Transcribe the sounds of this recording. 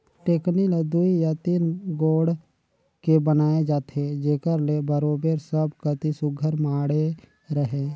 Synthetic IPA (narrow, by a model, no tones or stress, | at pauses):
ʈeːknild̪uijat̪iːnɡoːɽ | kebənaːed͡ʒaːt̪ʰed͡ʒeːkəɾlebəɾoːbeɾsəbkət̪isʊɡʱəɾmaːɽe | ɾəɦeː